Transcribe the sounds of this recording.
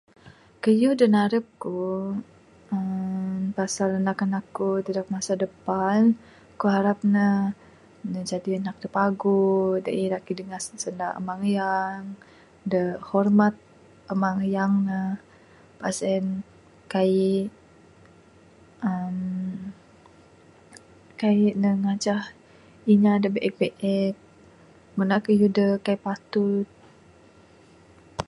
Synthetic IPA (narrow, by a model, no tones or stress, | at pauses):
kəjudənaɾəp̚ku | ənpasalənakanakut̪ədak̚masadəpan | kuɦaɾap̚nəh | nəd͡ʒadiənak̚dəpaɡudə̰ʔilakidəŋassəndaə̰maŋəjaŋ | dəhɔrmat̪̚ | əmaŋəjaŋnah | pasɛn | kai | əm | kainəŋat͡ʃah | iɲadəbeʔɛk̚beʔɛk̚ | mənakəjudəkaipat̪ut̪̚